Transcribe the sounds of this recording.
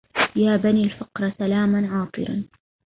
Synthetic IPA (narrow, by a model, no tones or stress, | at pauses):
jaːbaniːlfɑqɾˤɑsalaːmanʕɑːt̪ˤɨ̰ɾɑ̰n